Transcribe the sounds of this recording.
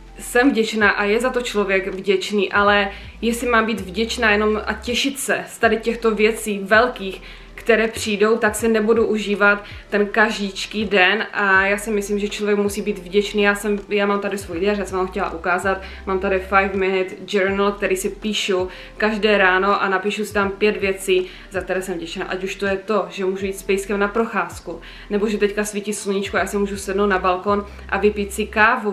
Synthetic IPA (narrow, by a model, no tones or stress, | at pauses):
sɛmvɟɛt͡ʃnaːʔajɛzat̪o̞t͡ʃlo̞vjɛɡvɟɛt͡ʃniːʔalɛ | jɛslɪmaːmbiːt̪vɟɛt͡ʃnaːjɛno̞mʔa̰cɛʃɪt̪sɛst̪adɪcɛxt̪ovjɛt͡siːvɛlkiːx | kt̪ɛɾɛːpr̝̥iːdo̞wt̪aksɪnɛbuduʔuʒiːvat̪ːɛnkaʒit͡ʃkiːdɛnʔajaːsɪmɪsliːmʒɛt͡ʃlovjɛkmusiːbiːd̪vɟɛt͡ʃniːjaːsɛmjaːmaːmt̪adɪsvuːjdɛaɾjaːsɛmvamoxcɛla̰ʔukaːzat̪ | maːmt̪adɪfajvmɪnɪt̪d͡ʒɛɾnl̩k̚t̪ɛɾiːsɪpiːʃu | kaʒdɛːɾaːno̞ʔanapiːʃusɪ̥t̪ampjɛd̪vjɛt͡siː | zak̚t̪ɛɾɛːsɛmvɟɛt͡ʃna̰ːʔacuʃt̪ojɛt̪o̞ʒɛmuːʒujiːt̪spɛjskɛmnapɾoxaːsku | nɛboʒɛt̪ɛckasvicisluɲit͡ʃkuajaːsɪmuːʒusɛdnowt̪nabalkon | ʔa̰vɪpiːt̪sɪkaːvo